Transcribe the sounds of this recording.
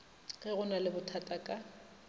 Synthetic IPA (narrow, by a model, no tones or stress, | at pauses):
ɣɛɣʊnalɪbʊtʰatʼakʼa